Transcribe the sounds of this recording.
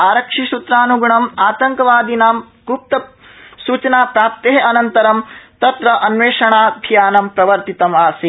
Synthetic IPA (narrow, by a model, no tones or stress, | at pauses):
aːɾɐkʂisut̪ɾaːnuɡɳɐmaːt̪ɐŋkɐʋaːd̪inaːm | ɡup̚t̪ɐ | suːt͡ʃɐnaːpɾaːp̚t̪eɦeɐnɐnt̪ɐɾɐmt̪ɐt̪ɾɐʔɐnʋeːʂɐɳaːd̪ʱjaːnɐmpɾɐʋɐɾt̪it̪ɐmaːsi